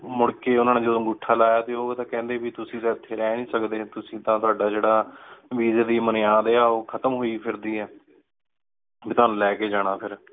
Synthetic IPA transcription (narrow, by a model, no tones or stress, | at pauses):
mʊɽkeːʊnãːneːd͡ʒəd̪õːɡʊʈʰːaːlaːjaːt̪eːoːet̪ãːkɛ̃ːnd̪eːbiːt̪ʊsĩːt̪ãːɪt̪ʰːeːɾɛːnĩːsəkd̪eːt̪ʊsĩːt̪ãːt̪ʊaːɖaːd͡ʒeːɽaːʋiːzeːd̪iːməneːaːd̪eːaːoːkʰət̪əmɦoːiːpʰɪɾd̪iːɦɛː | biːt̪ʊaːnũːlɛːkeːd͡ʒaːɽ̃aːpʰɪɾ